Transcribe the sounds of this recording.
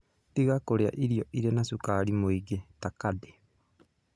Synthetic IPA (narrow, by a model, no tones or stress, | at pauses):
tiɣakoɾea̰ʔiɾiɔʔiɾenasukaːɾimoiɡetakade